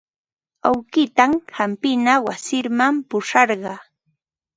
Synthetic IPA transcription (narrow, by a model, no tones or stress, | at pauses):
awkɪt̪amhampɪnawasɪɾmampʊʂɑɾɢɑː